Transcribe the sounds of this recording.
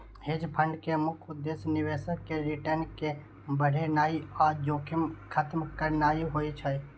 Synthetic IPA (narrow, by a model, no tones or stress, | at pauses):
ɦed͡ʒpʰəɳɖkemʊkʰʊd̪ːesnɪʋeːsəkkːeɾɪʈənke | bəɽ̤ʱenaːiad͡ʒoːkʰɪmkʰət̪mkəɾnaːiɦoːit͡ʃʰə